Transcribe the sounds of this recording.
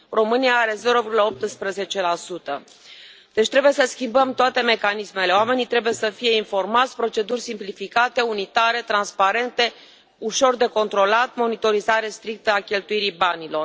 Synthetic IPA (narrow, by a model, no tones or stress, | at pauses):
ro̞mɨniaaɾe̞ze̞ɾo̞vʲɡuləo̞p̚t̪ɨspɾəze̞t͡ʃe̞lasut̪ə | d̪̥e̞t͡ʃʲt̪ɾe̞buje̞səskʲimbəmt̪oat̪e̞me̞kanisme̞le̞oame̞nit̪ɾe̞buje̞səfije̞info̞rmat̪sʲpɾo̞t͡ʃe̞d̪urʲsimplifikat̪e̞unit̪aɾe̞t̪ɾanspaɾe̞nt̪e̞ | uʃo̞rd̪e̞ko̞nt̪ɾo̞lat̪mo̞nit̪o̞ɾizaɾe̞st̪ɾik̚t̪əakʲe̞lt̪ujiɾibanilo̞r